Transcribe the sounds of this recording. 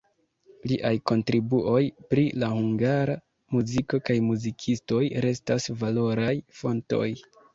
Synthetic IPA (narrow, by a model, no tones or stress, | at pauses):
liʔajko̞ntɾibuʔo̞jpɾilahuŋɡaɾa | muziko̞kajmuzikʰisto̞jɾe̞stasvalo̞ɾajfo̞nto̞̰j